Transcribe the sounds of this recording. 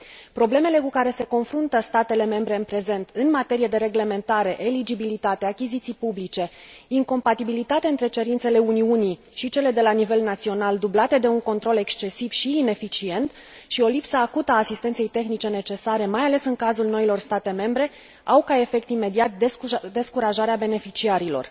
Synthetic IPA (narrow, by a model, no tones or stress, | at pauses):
pɾo̞ble̞me̞le̞kukaɾe̞se̞ko̞nfɾunt̪əst̪at̪e̞le̞me̞mbɾe̞ɨnpɾe̞ze̞nt̪ɨnmat̪e̞ɾije̞d̪e̞ɾe̞ɡle̞me̞nt̪aɾe̞ʔelid͡ʒibilit̪at̪e̞akʲizit̪sijpublit͡ʃe̞iŋko̞mpat̪ibilit̪at̪eɨnt̪ɾe̞t͡ʃe̞ɾint̪se̞le̞uniuni | ʃit͡ʃe̞le̞d̪e̞lanive̞lnat̪sio̞nald̪ublat̪e̞d̪e̞uŋko̞nt̪ɾo̞le̞kst͡ʃe̞siv̥ʃiːne̞fit͡ʃie̞nt̪ʃio̞lipsəːkut̪aːsist̪et̪se̞jt̪e̞xnit͡ʃe̞ne̞t͡ʃe̞saɾe̞majale̞sɨŋkazulno̞ilo̞rst̪at̪e̞me̞mbɾe̞ | awkae̞fe̞k̚t̪ime̞d̪iat̪̚d̪d̪e̞skuɾaʒaɾeabe̞ne̞fit͡ʃiaɾilo̞̰r